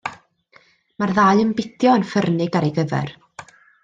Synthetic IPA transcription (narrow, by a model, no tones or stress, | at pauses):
marðaːɨənbɪdjɔənfərnɪɡaɾejɡəvɛ̰r